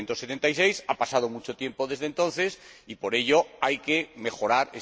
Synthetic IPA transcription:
nt̪oset̪ent̪ajsejsapasað̞omut͡ʃot̪je̞mpoðezðẽnt̪õ̞n̟θesipoɾeʎoajkemexo̞ɾaɾe

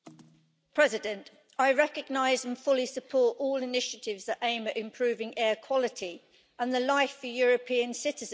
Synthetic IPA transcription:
pʰɹ̥ɛzɪdə̃nt | aɪɹɛkəɡ̚naɪzə̃nfʊlisəpʰɔˑtɔːlɪnɪʃətʰɪvzðəʔẽɪ̃məʔɪ̃mpʰɹ̥ʉːvɪ̃ŋɛːkʰw̥ɒlɪtʰi | ə̃nðəlaɪfəjɔːɹəpʰĩə̃nsɪtɪzə̃

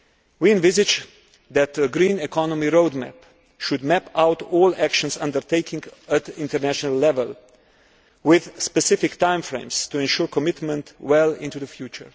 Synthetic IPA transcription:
wiɛ̃nvɪzɪd͡ʒ | d̪ɛt̪əɡɾĩnɛkʰɔnɔmiɹoʊdmæ̰p | ʃʊd̪mæpaʊtɔːlækʃɔ̃nsʌ̰̃ndəɾteɪkʰɪ̃ŋɡət̪ɪ̃ntəɾnæʃɔnalːɛvəl | wɪð̥spɛsɪfɪktãɪ̃mfɹḛ̃ɪ̃mstuɛ̃nʃuɹkɔmɪtmə̃ntwɛlɪ̰̃ntuðəfjuːt͡ʃə̰ɹ

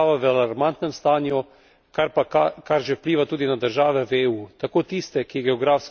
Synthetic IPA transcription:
ʋaʋəalaɾmant̪nɛmst̪aːnju | kaɾpakakaɾʒɛwpliːʋat̪uːd̪inad̪əɾʒaːʋɛweːuːt̪akoːt̪ist̪ɛkiɡɛɔɡɾaːfs

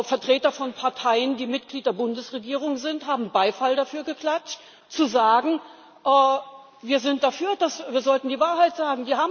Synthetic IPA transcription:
fɛɐtʁ̥eːtɐfɔnpʰaɐtʰaɪəndiːmɪt̚ɡ̥liːt̚d̥eːɐbʊndəsʁeɡiːʁ̞ʊŋzɪnthaːbm̩baɪfaldafyːɐɡəkl̥at͡ʃt | t͡suzaːɡŋ̩ | ʔɛː | viːɐzɪnt̚d̥afyːɐd̥asviːɐzɔltn̩diːvaːɐɦaɪtz̥aːɡŋ̩diːhaːbm

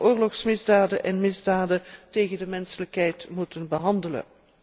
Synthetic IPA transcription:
ʔʊːrlɔxsmɪzdaːdəʔɛnmɪzdaːdəteːɣəndəmɛnsələkɦɛjtmutənbəɦɑndələ̰n

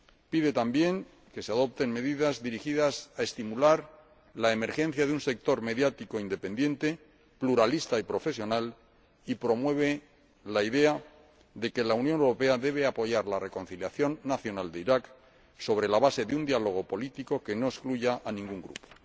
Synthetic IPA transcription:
piðe̞t̪ambje̞ŋ | ke̞seaðo̞p̚t̪e̞nme̞ðiðazðiɾixiðasaest̪imulaɾ | lae̞me̞ɾxe̞n̟θjaðeunse̞k̚t̪o̞ɾme̞ðjat̪iko̞ind̪e̞pe̞nd̪je̞nt̪e̞ | pluɾalist̪aipɾo̞fe̞sjo̞nal | ipɾo̞mwe̞β̞e̞ | laiðe̞a | ðe̞ke̞launjonewɾo̞pe̞aðe̞β̞eapo̞ʝaɾlare̞ko̞nθiljaθjo̞nːaθjo̞nald̪eiɾak | so̞βɾe̞laβase̞ðeund̪ialo̞ɣ̞o̞po̞lit̪iko̞ke̞no̞eskluʝaʔanĩŋɡuŋɡɾṵpo̥

